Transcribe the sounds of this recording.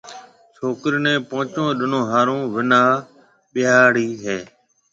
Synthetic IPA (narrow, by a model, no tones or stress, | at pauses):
t͡ʃʰoːkɾnẽːpõːt͡ʃõːɗɪnõːɦaːɾõːʋɪnaː | ɓɪaːɽiːɦeː